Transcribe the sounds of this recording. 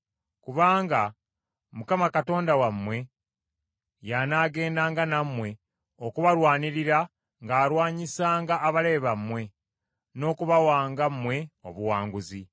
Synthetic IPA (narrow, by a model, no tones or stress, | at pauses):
kuβaːŋɡa | mukamakato̞ːndawamwe̞ | janaːɡe̞ːndaːŋɡanamwe̞ | okuβaɾwaːniɾiɾa | ŋɡaːɾwaːɲisaːŋɡaʔːβale̞ːβamːwe̞ | no̞ːkuβawaːŋɡamːwe̞o̰βuwaːŋɡuzi